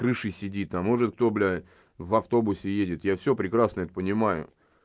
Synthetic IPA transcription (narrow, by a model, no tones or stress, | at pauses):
kɾɨʂɨsʲɪdʲit̪ːamːoʐɨt̪̚k̚t̪oblʲ | vɐft̪o̞bʊsʲɪjedʲɪt̪jafsʲɵpɾʲɪkɾasnəɛt̪əpənʲɪmajʊ̰